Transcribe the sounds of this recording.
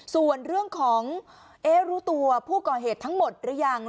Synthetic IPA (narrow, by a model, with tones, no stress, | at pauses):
su˨˩ənɾɯ˥˩əŋkʰɔː˩˦ŋ | ʔeː˦˥ɾuː˦˥t̪u˧ɐpʰuː˥˩kɔː˨˩ɦeː˨˩t̪ʰːa˦˥ŋmo˨˩t̪̚ɾɯ˨˦˥jaː˨˩ŋ